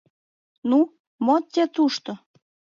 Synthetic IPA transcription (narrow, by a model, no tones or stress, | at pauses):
nu | mot̪ʲːet̪uʃt̪o